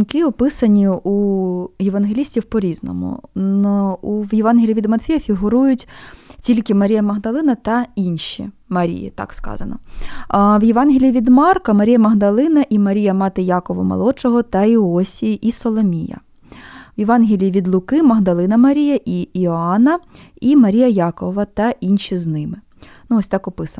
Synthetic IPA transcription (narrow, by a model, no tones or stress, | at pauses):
nkɪɔpɪsɐnʲiujeʋɐnɦelʲisʲtʲiwpɔɾʲiznɔ̰mʊ̰ | uwjeʋɑnɦʲilʲiʋʲid̪mɐt̪fʲijɐfʲiɦʊɾujʊtʲtʲilʲkɪmɐɾʲijɐmɐɦd̪ɐlˠɪnɐt̪ɐinʃʲḭ | mɐɾʲḭjḭt̪ɑ̰kskɑ̰zɐ̰nɐ̰ | wjeʋɑnɦʲilʲiiʋʲid̪mɑrkɐmɐɾʲijɐmɐɦd̪ɐlˠɪnɐʔimɐɾʲijɐmɑt̪ɪjɑkɔʋɐ̰mɐ̰lˠɔt͡ʃɔɦɔt̪ɐiɔsʲijʔisɔlˠɔmʲijɐ̰ | wjeʋɑnɦʲilʲiiʋʲid̪lˠʊkɪmɐɦd̪ɐlˠɪnɐmɐɾʲijɐʔiiɔɑnɐimɐɾʲijɐjɑkɔʋɐt̪ɐʔinʃʲiznɪmɪ | nuɔsʲt̪ɑkɔpɪsɐ